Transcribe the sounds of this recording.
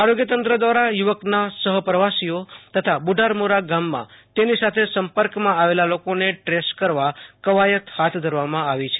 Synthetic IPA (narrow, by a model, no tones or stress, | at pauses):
aɾoɡjət̪ənt̪ɾəd̪ʋaɾajuʋəknasəɦəpɾəʋasijot̪ət̪ʰabuɖʱaɾmoɾaɡamːã̰t̪enisat̪ʰesəmpəɾkmãaʋelalokoneʈɾeskəɾʋakəʋajət̪hat̪ʰd̪ʱəɾʋamãaʋit͡ʃʰe̥